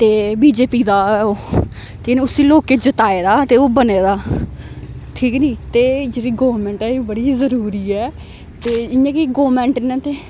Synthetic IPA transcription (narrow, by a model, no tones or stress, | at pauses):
t̪eːbiːd͡ʒeːpiːd̪aːoː | t̪enẽʊsiːloːkeːd͡ʒət̪aːeːd̪aːt̪eːoːbəneːd̪aː | ʈʰiːknĩːt̪eːd͡ʒeːɾiːɡoːmɛ̃ɳʈɛːiːbəɽiːzəɾuːɾiːɛː | t̪eːɪjãːkiɡoːmɛ̃ːɳʈːnɛ̃ːt̪eː